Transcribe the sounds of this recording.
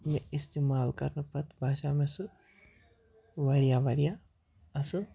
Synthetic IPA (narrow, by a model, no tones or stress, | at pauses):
mẽɪst̪eːmaːlkɐɾnupɐt̪bʱaːʃaːmẽsu | ʋɐɾijaʋɐɾija | ɐsɨ